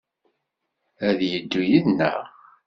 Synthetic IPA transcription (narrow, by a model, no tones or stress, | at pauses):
æðjəd̪ːujiðnːə̰